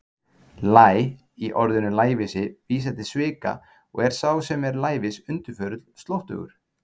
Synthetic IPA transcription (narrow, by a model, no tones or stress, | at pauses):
laːj | iʔɔɾðʏnʏlaːjvɪsɪviːs̬at̪ɪ̥svɪːka̰ | ɔ̰ɣɛɾ̥sawsɛmɛɾlaːjvɪsʏnt̪ʏɾ̥fœːɾʏt̪l̥st̪lowht̪ʏ̰ɣʏ̰ɾ̥